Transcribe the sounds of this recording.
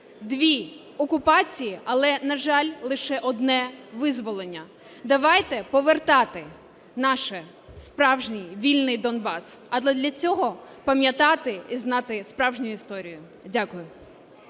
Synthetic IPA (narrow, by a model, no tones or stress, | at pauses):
d̪ʋʲi | ɔkʊpɑt͡sʲijiɐlˠɛnɐʒɑlʲlˠɪʃɛʔɔd̪nɛʋɪzʋɔlˠenʲːɐ | d̪ɐʋɑjt̪ɛpɔʋert̪ɑt̪ɪ | nɑʃɛ | spɾɑwʒnʲijʋʲilʲnɪjd̪ɔnbɑsɐdlˠɛd̪lʲɐt͡sʲɔɦɔpɐmʲjɐt̪ɑt̪ɪiznɑt̪ɪspɾɑwʒnʲʊjʊist̪ɔɾʲijʊ | dʲakʊjʊ